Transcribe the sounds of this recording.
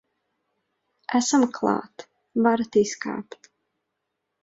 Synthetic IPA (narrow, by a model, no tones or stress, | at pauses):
æsamkʰlˠɑ̰ːt̪ | vaɾat̪iska̰ːpt̪